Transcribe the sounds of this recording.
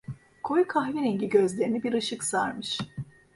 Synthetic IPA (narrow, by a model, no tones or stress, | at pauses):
kʰojkʰaxvineɲɟiɟøzlʲe̞ɾinibiɾɯʃɯksaɾmɯʃ